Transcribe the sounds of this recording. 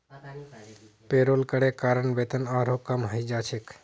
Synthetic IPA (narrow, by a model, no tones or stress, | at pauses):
peːɾoːlkəɽekaːɾəɳbet̪ənaːɾokəmɦəid͡ʒaːt͡ʃʰek